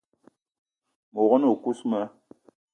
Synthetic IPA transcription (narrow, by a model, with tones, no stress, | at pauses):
mo˨ɣɔ˦no˨ku˦smɛ˦